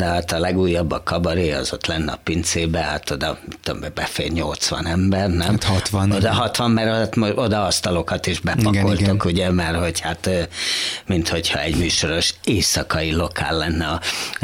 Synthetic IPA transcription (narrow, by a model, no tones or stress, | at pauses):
d̪ɛhat̪ɒlɛɡuːjːɒbːɒkɒbɒɾeːɒ̰zo̞t̪lɛnːɛɒ̰pint̪seːbɛha̰t̪o̞d̪ɒmit̪ːud̪o̰mɛbɛfḛːlɲolt̪sʋɒ̰nɛmbɛrnɛmt̪hɒt̪ʋɒnod̪ɒɦɒt̪ʋɒmːɛɾt̪mood̪ɒɒst̪ɒlo̞kɒt̪iʒbɛpɒolokuɟɛmɛrho̞chat̪ːmint̪ho̞chɒ̰ɛɟmyːʃo̞ɾo̞ʃeːsɒkɒilo̞ka̰ːlːɛnːɛɒ